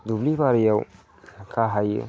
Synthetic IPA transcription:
d̪ublibaɾijaw | kʰaɦaj̰

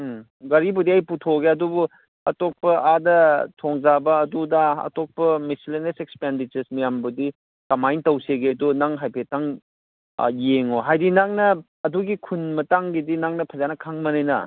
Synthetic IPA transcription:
ɡɐɾibudiajputʰoɡeɐdubu | ɐtok̚pɐʔadɐtʰoŋzabɐːdudaɐ̰tok̚pɐmisilenesek̚spendit͡ʃɐɾsmijambudi | kɐmajntɐwseɡedunaŋɦajpʰetaŋ̰ | jeŋoɦajdinaŋnɐː | duɡikʰunmɐtaŋɡidinaŋnɐpʰɐzanɐkʰaŋmɐnejnɐ̰

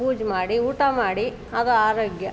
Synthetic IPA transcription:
uːd͡ʒmaːɽiuːʈɐmaːɽi | ɐd̪ɐaːɾoːɡjɐ

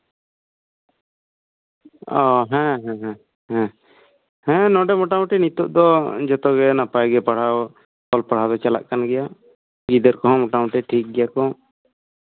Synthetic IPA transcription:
ɔɦɛ̃ɦɛ̃ɦɛ̃ | ɦɛ̃ | hɛ̃nɔɖɛmɔʈaw̃ʈɛnit̪ɔʔ̚d̪ɔd͡ʒɔt̪ɔɡɛnapajɡɛpaɽ̤aw | kɔlpaɽ̤ad̪ɔt͡ʃala̰ʔkanɡɛja | ɡid̪ɛɾkɔɦɔ̃mɔʈaw̃ʈɛʈʰik̚ɡɛjakɔ

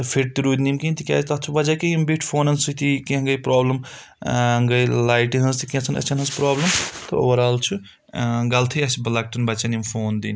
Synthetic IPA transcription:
t̪pʰeʈ̚t̪iɾud̪nimkint̪ikʲa̰ːst̪ɐt͡ʃʰubɐd͡ʒakimbiʈʰpʰoːnɐnsut̪ikiɦɐŋɡɐjpɾaːblɐm | ŋɡɐjlaːjʈiɦɐnzt̪ikẽt͡sʰɐnɐ̰t͡ʃʰɐnɦɐnspɾaːblɐmt̪ɐ̰o̰ʋɐɾaːlt͡ʃʰu | ɡɐlt̪ʰɐjɐsibɐlak̚ʈɐnbɐt͡ʃanimpʰoːnd̪ini

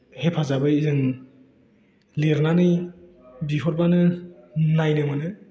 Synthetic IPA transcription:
hepʰazabɯizɯŋ | liɾnanɯj | bipʰɔɾbanɯnajnɯmanɯ

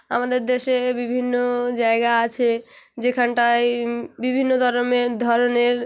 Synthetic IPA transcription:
a̰mad̪eɾd̪eʃebibʱinːod͡ʑaeɡaat͡ɕʰed͡ʑekʰanʈajbibʱinːod̪ʱɔɾomeɾd̪ʱɔɾoneɾ

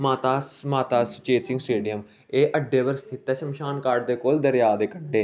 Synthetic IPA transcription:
maːt̪aːsmaːt̪aːst͡ʃeːsɪŋɡsʈeːɖijəm | eːʔəɖːeːbəɾst̪ʰɪt̪ːɛːʃəmʃaːnkaːɾɖd̪eːkoːld̪əɾjaːd̪eːkəɳɖeː

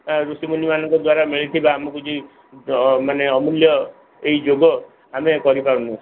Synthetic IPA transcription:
ɾusimunimanɔŋkɔd̪waɾamiɭit̪ʰibaːmɔkud͡ʒi | maneɔmuljɔ | eɦid͡ʒoɡɔ | amekɔɾipaɾunut͡ʃʰ

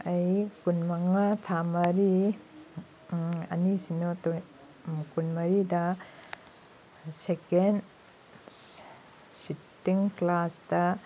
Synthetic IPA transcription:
ɐjkunmɐŋatʰamɐɾi | ɐ̰nisinoto | kunmɐɾidɐ | seken | sitːiŋklasdɐ

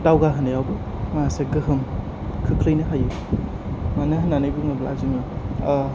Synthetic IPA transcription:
dawɡaɦɯnɯjawbɯ | maseɡɯɦɯm | kʰɯkʰɾɯjnɯɦaju | manɯɦɯnːanɯjbɯŋɯbla̰zimɯ

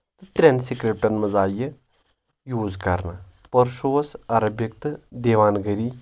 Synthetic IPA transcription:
t̪ɨt̪ɾʲensikɾep̚ʈɐnmɐzaːjə | juːzkɐ̰ɾna̰ | pəɾʃoːsɐɾɐbjɐk̚t̪d̪eʋaːnɡɐɾiː

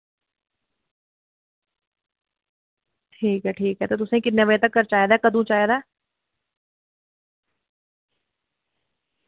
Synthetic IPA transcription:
ʈʰiːkɦɛʈʰiːkɦɛt̪ot̪ʊsẽkɪtneʋəet̪ɐkːɐɾt͡ʃaːjd̪aɛkɐd̪ʱũt͡ʃaːjd̪aː

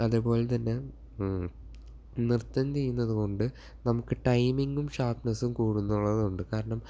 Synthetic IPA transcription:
ɐðupo̞ːlet̪ɐnːe̞ | nirt̪ːɐnt͡ɕe̞junːɐðuko̞ɳɖɨ | nɐmukːɨʈɐjmiŋɡumɕaːpnɐsumkuːɽunːuɭːɐðuɳɖɨkaːɾɐɳɐm

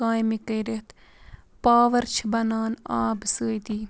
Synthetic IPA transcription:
ãːjmikɐːɾet̪ | paːʋɐɾt͡ʃʰbɐnaːnaːbsəːjd̪iː

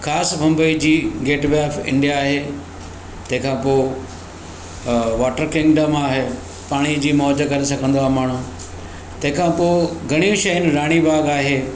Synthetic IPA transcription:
xʰaːsmɐ̃mbəid͡ʑiːɡeːʈbɛːfɪ̰̃ɳɖijaːɦe | t̪ɐ̃ɦɪ̃kʰãːpo | ʋaːʈəɾkɪ̃ŋɡɖəmaːɦe | paːɽ̃id͡ʑiːmɔːd͡ʑkɐɾesɐɡʱə̃nd̪oaːɦemaːɳ̤ũ | t̪ɐ̃ɦɪ̃kʰãpoɡʱɐɽ̃ijũʃɐɪnɾaːɽ̃ibʱaːɡaːɦeː

